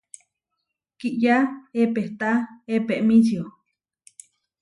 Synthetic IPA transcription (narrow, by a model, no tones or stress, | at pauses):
kiʔjaepeht̪aepeʔmĩt͡ʃio